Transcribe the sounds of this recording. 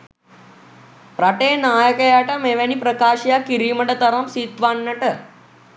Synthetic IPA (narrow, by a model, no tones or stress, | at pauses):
pɾaʈenaːjəkɐjaʈameʋanipɾɐkaːɕjakiɾiːmɐɳɖɐt̪ɐɾɐmsiːt̪ʋaːnːɐʈə